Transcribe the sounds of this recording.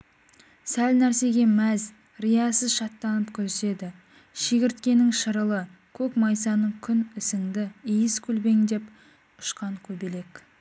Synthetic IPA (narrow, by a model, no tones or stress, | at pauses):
sælnæɾse̞ɡʲe̞mæz | rijɑsəzʃɑt̪ːɑnəpkʲʰɵzse̞d̪ɪ | ʃeɡʲɪɾt̪kʲe̞nɪŋʃəɾəlˠə | kʲʰɵkmɑjsɑnəɴkʲʰʏnɪsɪŋd̪ɪijɪzkʲʰɵlbe̞ŋd̪e̞p | ʊ̥ʃqɑŋkʲʰɵbele̞kʲ